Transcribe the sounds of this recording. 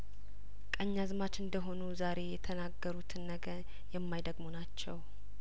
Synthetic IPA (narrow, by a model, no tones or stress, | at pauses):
kʼəɲːazmat͡ʃɨnd̪əɦo̞nuzaɾe̞jɛt̪ʰənaɡːəɾut̪ʰɨnːəɡəɾ | jɛmːajd̪əɡmo̞nat͡ʃːɛw